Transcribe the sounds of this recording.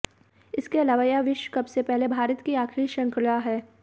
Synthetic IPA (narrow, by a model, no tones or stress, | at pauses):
ɪskeɐlaːʋajaʋɪʃwkɐbsepɛɦlebʱaːɾət̪kiaːkʰɪɾiʃɐ̃ŋklaɦɛː